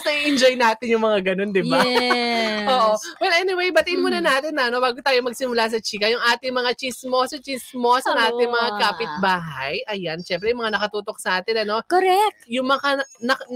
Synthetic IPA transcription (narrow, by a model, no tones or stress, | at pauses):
snɐʔiʔɪnd͡ʒojnaːt̪ɪnjʊŋmɐŋaɡɐno̞nd̪ɪba | ʔoːʔowɛlʔɛnɪwejbɐt̪ɪʔɪnmuːnɐnaːt̪ɪnːɐɐno̞baːɡot̪aːjomɐɡ̚sɪmʊlas̬ɐt͡ʃiːkɐjʊŋʔaːt̪ɪŋmɐŋat͡ʃismo̞sɐt͡ʃismo̞sɐŋʔaːt̪ɪŋmɐŋakaːpɪt̪̚baːɦɐjʔɐjanʃɛmpɾɛjʊŋmɐŋanɐkɐt̪uːt̪ok̚sɐʔaːt̪ɪnɐno̞koɾɛk̚jʊŋmɐŋanɐ